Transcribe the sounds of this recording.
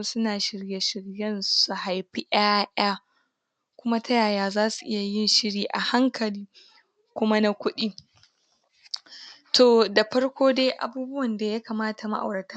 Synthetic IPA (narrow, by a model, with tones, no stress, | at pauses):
sʊ˦naː˨ʃɪ˨ɽje˦ʃɪ˨ɽjɛ˦nsu˨ha˨jɸi˦ʔaː˦ʔaː˦ | kʷʊ˦ma˦tʰɐ˦jaː˨jaː˨zaː˦su˨ʔɪ˦ja˨jɪ˦nʃɪ˦ɽiː˨ʔa˨ha˦ŋkʰɐ˨liː˦ | kʷʊ˦ma˦na˦kʷʊ˦ɗiː˦ | tʰoː˨da˨ɸɐ˦ɽkʷoː˦deː˦ʔa̰˨buː˦bʊ˦wɐ˨nda˨ja˦kaː˨maː˦ta˨ma˦ʔa̰˨wɽɐ˨tʰa˦